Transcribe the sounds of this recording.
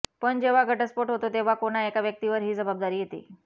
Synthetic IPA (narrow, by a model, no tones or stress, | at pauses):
pəɳd͡ʑeʋ̤aɡʱəʈəspoʈɦot̪ot̪eʋ̤akoɽ̃aekaʋjək̚t̪iʋəɾɦiːd͡zəbabd̪aɾiːjet̪ḭː